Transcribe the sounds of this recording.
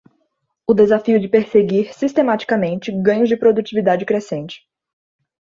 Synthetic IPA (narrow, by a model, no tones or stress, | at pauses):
ʊd̪ezafiʊd͡ʒɪpeɾseɡiɾsist̪emat͡ʃi̥kamẽnt͡ʃɪɡɐ̃ɲʊzd͡ʒɪpɾod̪ut͡ʃivid̪ad͡ʒɪkɾesẽnt͡ʃɪ̥